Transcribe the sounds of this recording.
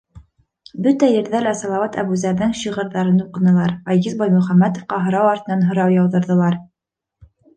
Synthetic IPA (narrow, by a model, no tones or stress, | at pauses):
bɵt̪æjɘ̆ɾðælæsɑlˠɑwɑt̪æ̰βʉzæɾðɘŋɕiʁɤ̆ɾðɑɾɤnuqɤ̆nɤ̆lˠɑɾɑjzizbɑjmɵ̆χæmːæt̪ŏfqɑɦɤ̆ɾɑwɑɾt̪ɤ̆nɑnɦɤ̆ɾɑwjɑwðɤ̆ɾðɤ̆lˠɑɾ